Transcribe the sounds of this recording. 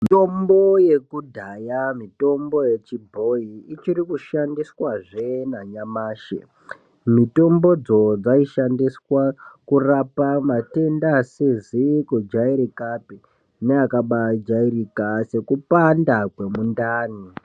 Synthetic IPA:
tomboje̞kudʱajamito̞mbo̞je̞t͡ʃibʱo̞iit͡ʃiɾikuʃandiswaʐenaɲamaːʃḛ | mito̞mbo̞d͡zo̞d͡zaiʃandiswakurapamate̞ndasizikud͡ʒaiɾikapi | neakaɓad͡ʒairikase̞kupandakwe̞mundaːni

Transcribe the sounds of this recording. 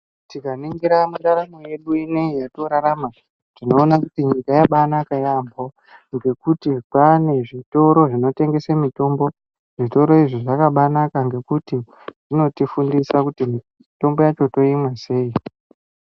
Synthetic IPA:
tikaniŋɡiɾamuɾaɾanoje̞ɗuineijato̞ɾaɾama | tino̞ːnakutiɲikajaɓanakajambʱo̞ | ŋɡe̞kutikane̞ʐito̞ɾo̞ʐino̞te̞ŋɡe̞samito̞mbo̞ | ʐito̞ɾo̞iʐiʐakaɓanakaŋɡe̞kuti | ʐ̥ino̞tifundisakutimi | to̞mbo̞jat͡ʃo̞to̞imwase̞ːi

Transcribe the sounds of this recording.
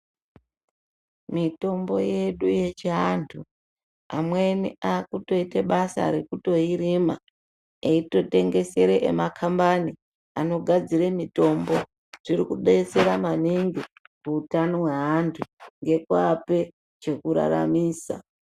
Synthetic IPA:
mito̞mbo̞je̞ɗuje̞t͡ʃiɦantʰu | amweniakuto̞iteɓasa̰ɾe̞kuto̞ɦiɾima | eito̞te̞ŋɡe̞se̞ɾeʔḛmakʰambani | ano̞ɡʱad͡ziremito̞mbo̞ | ʐ̥irikuɗese̞ɾamaniŋɡikuːtanoɦweɦantʰuŋɡe̞kwape̞ | t͡ʃe̞kuɾa̰ɾa̰miːsa̰

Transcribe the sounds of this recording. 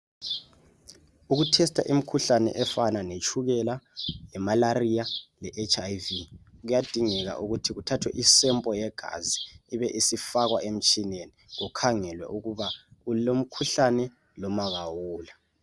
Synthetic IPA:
uɣutʰɛstʰa̰ʔimikʰuɬanɛ̰ʔɛfananet͡ʃʰuɣɛlalɛmalarijalɛʔɛt͡ʃʰʼajviɣujad̥ʱiŋɛɣa̰ʔuɣutʰiɣutʰatʰwɛ̰ʔisɛmpʼɔjɛɡ̥ʱa̰ziːβɛʔisifaɣwaʔem̩t͡ʃʼineniɣukʰaŋɛlwɛ̰ʔuɣuβaulom̩kʰuɬanɛ | lɔmaɣawuːla

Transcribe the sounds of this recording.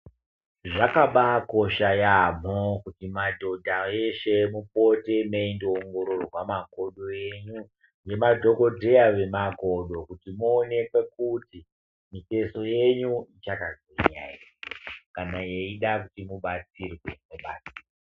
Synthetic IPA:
ʐakaɓako̞ʃajamokutimadʱo̞dʱaeʃe̞mupo̞te̞meindoːŋɡo̞ɾo̞rwamaɡʱo̞ɗoeɲu | je̞madʱo̞ko̞dʱe̞aʋe̞maɡʱo̞ɗo̞kutimuːne̞kwe̞k̚uti | mite̞so̞je̞ɲuit͡ʃakazweɲa̰ja̰kanaje̞iɗakutimuɓat͡sirwemuɓa̰ːt͡sia

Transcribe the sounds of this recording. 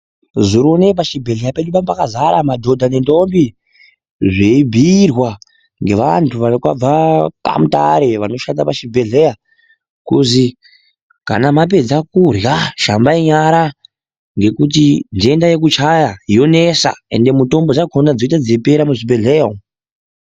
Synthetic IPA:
ziɾone̞p̬aʃibʱe̞ɮe̞jape̞ɗupampakazaɾamadʱo̞dʱane̞ndo̞mbi | ʐeibʱirwa | ŋɡe̞ʋantʰuʋaokwa̰b͡vaka̰muta̰ɾe̞ʋano̞ʃatapaʃibʱe̞ɮe̞ja | kuzi | ka̰namap̬e̞d͡zakurjaʃambaiɲaɾa | ŋɡe̞kutindiendaje̞k̬ut͡ʃajaɦijo̞ne̞sa̰e̞̰nde̞muto̞mbo̞t͡ʃakʰonad͡zoitad͡zepe̞ɾamuʐibe̞ɮejao

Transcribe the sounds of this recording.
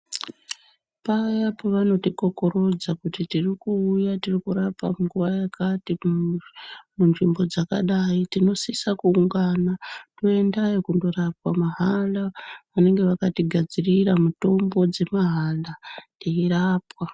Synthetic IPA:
pajapoʋano̞tiko̞ko̞ɾo̞d͡zakutitirikuːjatirikurapa̰muŋɡuʋajakʰati | munʐimbo̞d͡zaka̰ɗaitino̞sisakuuŋɡanatoe̞ndaekundo̞rapwamaɦalaʋane̞ŋɡe̞ʋakatiɡʱad͡ziriramuto̞mbo̞d͡ze̞maɦalaeiɾaːpwa

